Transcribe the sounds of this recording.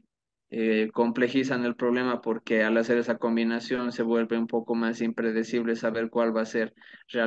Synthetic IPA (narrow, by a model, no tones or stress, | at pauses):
eko̞mple̞xis̬ane̞lpɾo̞β̞le̞mapo̞ɾke̞alase̞ɾe̞sako̞mbinasjo̞nse̞βwe̞lβeumpo̞ko̞masimpɾe̞ð̞e̞siβ̞lesaβe̞ɾkwalβase̞ɾrea